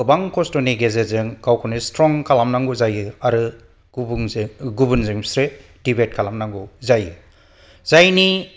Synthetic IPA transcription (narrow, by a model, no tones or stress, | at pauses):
ɯbaŋkʰɔstoniɡezezɯŋkʰawkʰɔnistɾɔŋkʰalamnaŋɡuzajɯaɾɯ | ŋɡubunzɯŋi̥sɾe | d̥ibet̚kʰalamnaŋɡuzajɯ | zajni